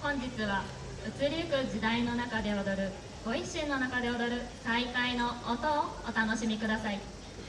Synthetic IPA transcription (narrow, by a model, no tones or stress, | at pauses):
õɲ̟d͡ʑit͡sɨβa | ɯ̟t͡sɨɾʲiɯkɯ̟d͡ʑid̪aino̞nakad̪e̞od̪oɾɯ̟ | ɡ̥oiɕĩnːo̞nakad̪e̞od̪oɾɯ̟saikainoːt̪oːt̪anoɕimʲikɯ̟d̪asai